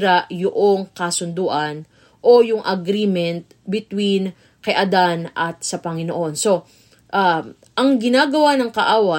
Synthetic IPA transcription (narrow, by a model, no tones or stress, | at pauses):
ɾaʔjʊʔoŋkɐsʊnd̪uːʔɐn | ʔo̞jʊŋʔɐɡɾiːmɛnt̪̚bɪt̪win | kɐʔɐd̪anʔɐt̪̚sɐpɐŋɪno̰ʔo̞nso̞ | ʔa | ʔɐŋɡɪnaːɡɐwanɐŋkɐʔaːwɐ